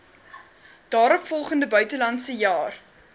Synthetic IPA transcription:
d̥ɑːɾɔpfɔlˠχəndəbœɥtəlɐntsəjɑːr

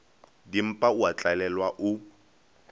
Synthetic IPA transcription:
dim̩pʼaʊat͡ɬʼalɛlwaʔʊ

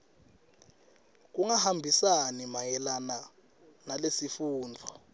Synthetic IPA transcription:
k̬uŋahambʱisanimajɛlana | nalesifuːnd͡ɮʱɔ

